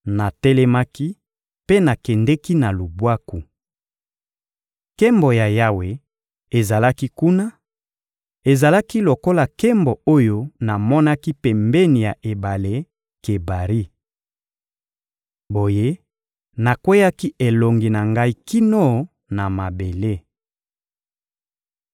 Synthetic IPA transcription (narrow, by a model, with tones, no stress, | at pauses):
na˨tɛ˦lɛ˦ma˦ki˦ | pe˦na˨kɛ˨ndɛ˦ki˦na˨lu˨bwa˦ku˨ | ke˦mbo˨ja˨ja˦we˨ | e˨za˨la˦ki˦ku˦na˦ | e˨za˨la˦ki˦lo˨ko˦la˨kɛ˦mbɔ˨o˦jo˦na˨mɔ˦na˦ki˦pɛ˨mbɛ˦ni˨ja˨ʔe˨ba˨le˦ | ke˨ba˨ʁi˦ | bo˨je˦ | na˨kwe˦ja˦ki˦ʔe˨lo˨ŋɡi˨na˨ŋɡa˦i˦ki˦no˦ | na˨ma˨be˨le˦